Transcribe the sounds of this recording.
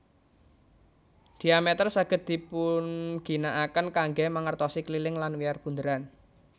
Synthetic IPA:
d̪̥i̤amɛt̪ərsaɡ̥ə̤t̪̚d̪̥i̤pʊnɡ̥i̤naʔakənkaŋɡemaŋərt̪ɔsiklilɪŋlanwiarb̥ṳnd̪əɾan

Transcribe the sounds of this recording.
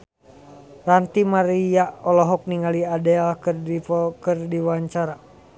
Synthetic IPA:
rant̪imaɾijaʔɔlɔɦɔk̚niŋaliadɛlkrikɨrdiwaɲt͡ʃaɾa

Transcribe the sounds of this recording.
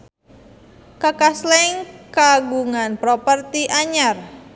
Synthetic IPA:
kakaslɛŋkaɡuŋanpɾopərt̪iʔaɲar

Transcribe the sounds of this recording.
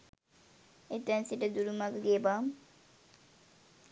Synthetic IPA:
et̪ansiʈəd̪uɾumakɡebam

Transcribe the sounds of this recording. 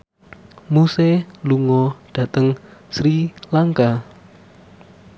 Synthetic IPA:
museluŋɔɖ̥ä̤t̪əŋsɾilaŋka

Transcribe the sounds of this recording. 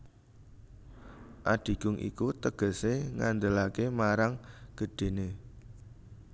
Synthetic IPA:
ʔaɖ̥i̤ɡ̥ʊŋʔḭkut̪əɡ̥ə̤seŋand̪əlakemaɾaŋɡ̥ə̤ɖ̥e̤ne

